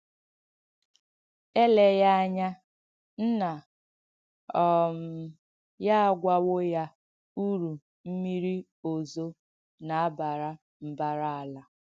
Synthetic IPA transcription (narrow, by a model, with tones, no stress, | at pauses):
e˦le˨ja˦a˦ɲa˦ | n̩˦na˨ | ɔ˨m̩˨ | ja˦a˦ɡʷa˦wo˦ja˦ | u˦ɾu˨ | m̩˦mi˦ɾi˦ | o˨zo˦ | na˨a˦ba˨ɾa˦ | m̩˨ba˦ɾa˦a˨la˨